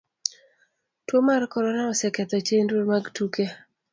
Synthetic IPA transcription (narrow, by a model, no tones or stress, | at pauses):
twomarkɔɾɔnaɔsɛkɛt̪ɔt͡ʃendoɾmaɡtuke